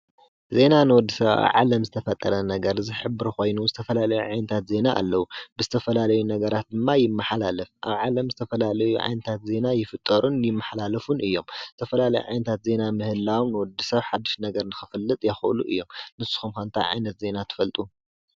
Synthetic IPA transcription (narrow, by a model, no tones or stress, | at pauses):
ze̞nanɨwɔd̪ːisɐβaa̰βʕa̰lɐmzɨt̪ʰɐfɐt̪ʼːɐɾɐnɐɡɐɾzɨħɨbːɨɾko̞jnuzɨt̪ʰɐfɐlalɐjuʕajnɐt̪ʰat̪ze̞naʔa̰lːɐwubɨzɨt̪ʰɐfɐlalɐjunɐɡɐɾat̪̚d̪ɨmːajɪmːɐħalalɨfʔa̰βʕalɐmzɨt̪ʰɐfɐlalɐjuʕa̰jnɐt̪ʰat̪ze̞najɪfɨt̪ʼːɐɾunjɪmːɐħalalɐfunʔɨjːo̞mzɨt̪ʰɐfɐlalɐjṵʕa̰jnɐt̪ʰat̪ze̞namɨhɨlːawnɨwɔd̪ːisɐβħad̪ːiʃnɐɡɐɾnɨxɨfɨlːɨt̪ʼjɛxʔɨluʔɨ̰jːo̞mnɨsːu̥xumkant̪ʰa̰ʕa̰jnɐt̪ze̞nat̪ʰɨ̥fɐlt̪ʼu